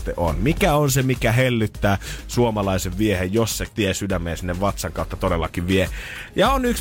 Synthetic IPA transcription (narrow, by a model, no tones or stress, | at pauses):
t̪eʔo̰nmikæonsemikæɦelːyt̪ːæːsuomɑlɑiseʋʋiehejjosset̪iesydæmːˑeːnsinːeʋʋɑt̪sɑŋkɑˑut̪ːɑt̪odelːɑkiʋʋiejɑonyks